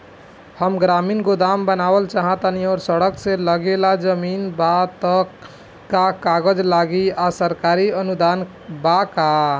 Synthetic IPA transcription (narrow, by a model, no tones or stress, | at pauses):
həmɡɾaminɡod̪ambənabəlt͡ʃaɦãt̪aniɔɾsəɽəksẽləɡelad͡ʒəminbat̪ə | kakaɡəd͡ʒlaɡiasəɾkaɾiənud̪an | baka